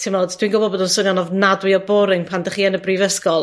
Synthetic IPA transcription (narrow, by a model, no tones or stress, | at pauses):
tʰɪmodd̥winɡʊbɔdbɔːdɔnsʊnjɔnɔvnadwɪɔbɔɾɪŋpʰandəχiːənəbriːvəskɔlˠ